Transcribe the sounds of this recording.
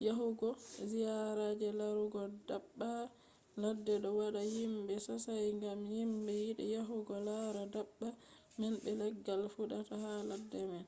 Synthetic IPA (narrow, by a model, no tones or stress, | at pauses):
jaɦuɡɔzijaɾad͡ʒɛlaɾuɡɔdaɓːa | ladːɛɗɔwaɗahimɓɛsasajŋɡamjimɓɛjiɗɛ̰jaɦuɡɔlaɾadaɓːa | mɛnɓɛlɛɡːalfuɗatahaladːɛmɛn